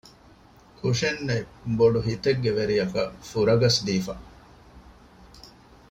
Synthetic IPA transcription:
kuʂenːeboɖuɦit̪eɡːeʋeɾijɐkɐ̰fuɾɐɡɐsd̪iːfa

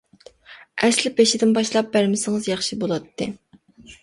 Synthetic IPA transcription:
ɛslɪpeʃɪd̪ɪnbɑʃlˠɑp̚bæɾmɪsɪŋɨzjɑχʃibolˠɑt̪ʰːɨ

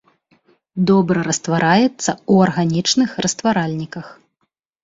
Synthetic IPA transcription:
d̪ɔbɾɐɾɐst̪vaɾajɛt̪sːɐuɐrɣanʲit͡ʂnɨxrɐst̪vaɾalʲnʲikɐx

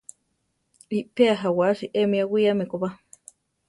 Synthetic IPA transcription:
ipeaɦawaʃiʔemiawiamekopa

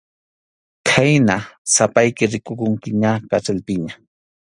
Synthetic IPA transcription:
kʰajnasapajkɪɾɪkokʊŋkɪɲakat͡ʃalpɪɲa

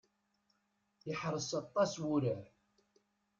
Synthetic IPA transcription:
jəħɾˤəsɑt̪ˤːɑswʊɾə

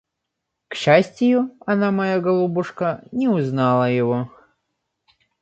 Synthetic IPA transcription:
kɕːasʲtʲɪjʊɐnamɐjaɡɐlˠubʊʂkənʲɪʊznɑlˠəjɪvo

